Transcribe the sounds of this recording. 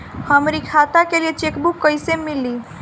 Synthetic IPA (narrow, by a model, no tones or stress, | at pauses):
həmɾikʰat̪akelijet͡ʃekbukːəjsemilːi